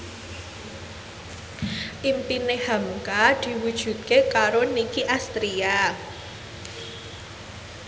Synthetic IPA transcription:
ʔimpinehamkad̪̥i̤wud̥ʒ̥ṳt̪̚kekaɾonikiʔast̪ɾia

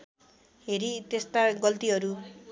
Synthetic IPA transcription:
ɦeɾit̪est̪aɡʌlt̪iɦʌɾu

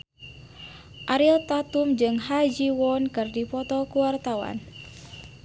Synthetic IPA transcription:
ʔaɾilt̪at̪umd͡ʒɨŋhad͡ʒiwɔnkɨrdipɔt̪ɔkuwart̪awa̰n

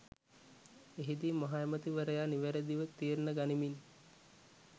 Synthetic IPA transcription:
eɦid̪imɐɦajemət̪iʋəɾəjaniʋeɾəd̪iʋət̪iːɾnəɡanimin

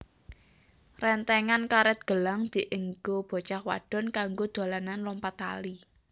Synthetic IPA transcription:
rɛnt̪ɛŋankaɾɛt̪̚ɡ̥ə̤laŋd̪̥i̤ʔəŋɡob̥ɔ̤t͡ʃahwa̰ɖ̥ɔ̤nkaŋɡod̪̥a̤lananlɔmpat̪a̰li

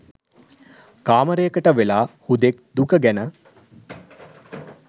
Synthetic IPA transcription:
kaːməɾejəkəʈəʋelaːhud̪ek̚d̪ukəɡænə

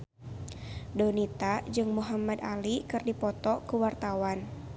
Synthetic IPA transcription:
dɔnit̪ad͡ʒɨŋmuɦamad̪alikɨrdipɔt̪ɔkuwart̪awan

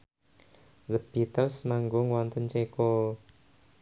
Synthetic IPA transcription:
ðəb̥it̪əlsmaŋɡoŋwɔnt̪ənt͡ʃeko

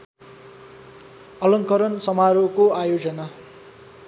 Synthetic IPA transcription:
ʌlʌŋkʌɾʌnsʌmaɾokoajod͡zʌna

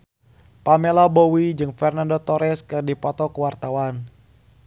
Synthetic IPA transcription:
pamelabowid͡ʒɨŋfɛrnandot̪ɔɾɛskɨrdipɔt̪ɔkəwart̪awan

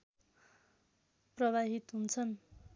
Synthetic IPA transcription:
prʌβaɦit̪ɦunt͡sʰʌn

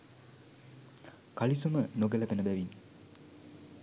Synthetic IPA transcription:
kalisumənoɡələbenəbæʋin

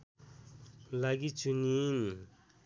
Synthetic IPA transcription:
laɡit͡ɕʰunin

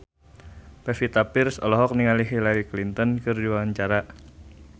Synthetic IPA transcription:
pɛfit̪apɪrsɔ̰lɔɦɔk̚niŋaliɦilaɾiklint̪ənkɨrdiwaaɲt͡ʃaɾa

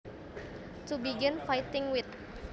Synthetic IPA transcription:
t̪ubiɡɪnfajt̪ɪŋwɪt̪̚

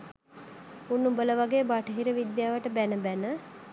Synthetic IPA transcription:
unːubələʋaɡeːbaʈəɦiɾəʋid̪jaːʋəʈəbænəbænə

